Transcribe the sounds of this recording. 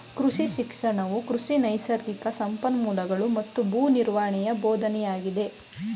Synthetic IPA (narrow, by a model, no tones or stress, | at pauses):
kɾuʂiʃikʂɐɳɐʋukɾuʂinɐjsɐɾikɐsɐmpɐnmuːlɐɡɐɭumɐt̪ːubuːniɾʋaːɐɳɛjɐboːd̪ʱɐnɛjaːɡid̪e̞